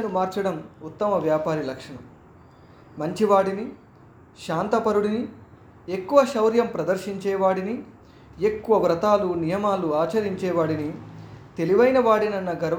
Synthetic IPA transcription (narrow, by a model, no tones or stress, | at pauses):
ɐnumaːɾt͡ʃɐɽɐmut̪ːɐmɐʋjaːpaːɾilɐkʂɐɳɐ̰m | mɐɲt͡ʃiʋaːɽini | ʃaːnt̪ɐpɐɾuɽini | e̞kːuʋɐʃɐwɾjɐmpɾɐd̪ɐɾʃiɲt͡ʃɛːʋaːɽini | ekːuʋɐʋɾɐt̪aːlunijɐmaːluaːt͡ʃɐɾiɲt͡ʃɛːʋaːɽinit̪e̞liʋɐjnɐʋaːɽinɐnːɐɡɐɾʋ